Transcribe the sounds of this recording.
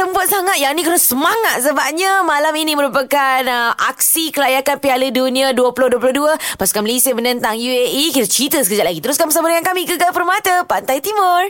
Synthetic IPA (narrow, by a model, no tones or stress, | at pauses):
t̪əmbuat̪̚saŋat̪̚jaŋnikəɾassəmaŋat̪̚səbap̚ɲamalaminiməɾupəkanəʔak̚sikəlajakanpialədunĩaduəpulohduəpuloʊhduəpasu̥kamlisemənənt̪aŋjueikit̪ət͡ʃit̪əsəkəd͡ʒat̪̚laɡit̪əɾʊskanpəsabəɾjaŋkamiɡəɡalpərmat̪əpant̪ajt̪imʊr